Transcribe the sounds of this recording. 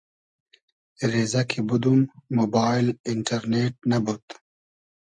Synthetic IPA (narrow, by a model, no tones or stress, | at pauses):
ɾeːzakʰibud̪umːobaːjlɪɳʈɐɾneʈ̚nabut̪